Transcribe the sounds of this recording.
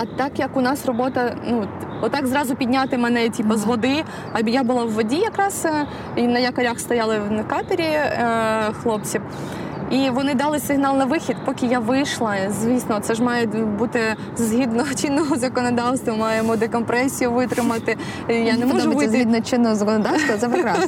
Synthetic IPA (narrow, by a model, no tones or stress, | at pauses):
ɐt̪ɑkjɐkʊnɑsrɔbɔt̪ɐnuɔt̪ːɑkzɾɑzʊpʲid̪ʲnʲat̪ɪmɛnɛtʲipɔzʋɔd̪ɪ | ɐbʲijabʊlˠɑwːɔdʲijɐkɾɑs | inɐjɐkɐɾʲaxst̪ɔjɑlˠɪwnɐkɑt̪ɐɾʲi | xlˠɔp̚t͡sʲiw | iʋɔnɪd̪ɑlˠɪsɪɦnɑlˠnɐʋɪxʲid̪pɔkʲɪjaʋɪjʃlˠɐzʲʋʲisnɔt̪sɛʒmɑjɛbut̪ɪ | zɦʲid̪nɔɦɔt͡ʃinːɔɦɔzɐkɔnɔd̪ɑwst̪ʋɐmɑjɛmɔd̪ɪkɔmpɾɛsʲijʊʋɪt̪ɾɪmɐt̪ɪ | janɛmɔʊbɪzid̪nɔt͡ʃɪnːɔɦɔzɐkɔnɔd̪ɑwst̪ʋɐzɐpɾɪkɾɑs